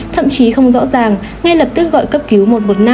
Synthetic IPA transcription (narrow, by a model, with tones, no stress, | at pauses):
t̪ʰə̰˧˨mt͡ɕi˨˦xə˧wŋ͡mzɔ̰˧˥zaː˨˩ŋ | ŋa˧jlə˨˩p̚t̪ɨ˦˥k̚ɣɔ̰˧˨jkə˦˥p̚ki˨˦wmo˨˩t̚mo˨˩t̚na˧